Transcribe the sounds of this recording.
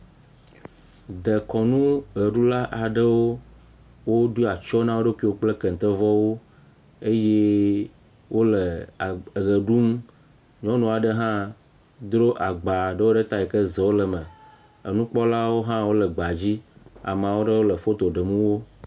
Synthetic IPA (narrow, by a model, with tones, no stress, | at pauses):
d̪ə˨kɔ˨nũ˦ɣə˨ɖu˦la˦ʔa˨ɖə˦wo˦ | wo˦ɖu˦a˨t͡ʃɔ˦nã˦wo˦ɖe˦ki˦wo˦k͡plə˦kə˨n˨t̪ə˦vɔ˦wo˦ | e˦je˦ | wo˦lə˨ | ɣə˨ɖu˦m | ɲɔ̃˦nũ˦a˨ɖə˦ɦã˦ | d̪ɾo˦ʔa˨ɡ͡ba˨ɖə˦wo˦ɖə˦t̪a˦i˨kə˦ze˨wo˦lə˨mə˨ | ə˨nũ˦k͡pɔ˦la˦wo˦ɦã˦wo˦lə˨ɡ͡ba˨d͡ʑi˦a̰˨m˨a˨wo˦ɖə˦wo˦lə˨fo˦t̪o˨ɖə˨mũ˦wo˦